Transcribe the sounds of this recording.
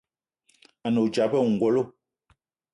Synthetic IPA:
a˨no˨d͡ʒa˨˦pɛ˦˨ŋ̩˨ɡwo˨˦lo˦˨

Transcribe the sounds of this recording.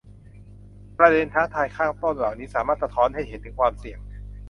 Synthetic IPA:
pɾa˧de˧nt̪ʰaː˦˥t̪ʰaː˧jkʰaː˥˩ŋt̪o˥˩nlaː˨˩wniː˦˥saː˨˩˦maː˥˩t̪̚sa˧t̪ʰɔː˦˥nha˥˩jhe˨˩˦t̪ʰːɯ˨˩˦ŋkʰwaː˧msi˨˩əŋ

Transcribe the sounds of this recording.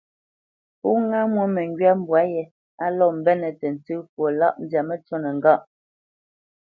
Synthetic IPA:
pu˦ŋa˦mwɛ˦mɛ˨ŋ˦ɡɥa˦m̩˦bwa˨˦jɛ˨ | a˦lɔ˦˨m̩˨bɛ˦nɛ˨tɛ˨n̩˨tɨ˦kwo˨la̰˦ʔn˦dja˨mɛ˦t͡sɔ˦nɛ˨ŋ̩˨ɡa˦˨ʔ

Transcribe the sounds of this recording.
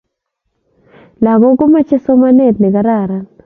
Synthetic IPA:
la˨ɡɔ˦ko˦ma˦t͡ʃe˦sɔ˦ma˦nɛ˦˨tlɛ˨ka˨ɾa˦˨ɾa˦

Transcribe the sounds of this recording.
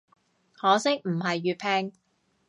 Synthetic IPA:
hɔː˨˥sɪ˥k̚m̩˨˩ɦɐ˨jːyː˨˧t̚pʰɛː˧ŋ

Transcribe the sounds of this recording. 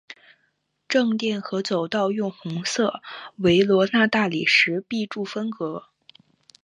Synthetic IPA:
ʈ͡ʂɤ˥˧ŋt̪jɛ˥˩nxɤ˧˥t͡so˨˩ʊt̪ɑ˥˧ʊjʊ˥˩ŋxʊ˧˥ŋsɤ˥˩we˧˥ɪlwɔ˧˥na˥˧t̪a˥˩li˨˩ʂɻ̩˧˥pi˥˧ʈ͡ʂu˥˩fə˥nkɤ˧˥

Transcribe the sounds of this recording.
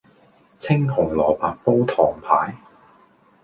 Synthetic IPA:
t͡sʰɪ˥ŋɦʊ˨˩ŋlɔː˨˩paː˨k̚po˥wt̪ʰɔː˨˩ŋpʰa̰ː˨˥j

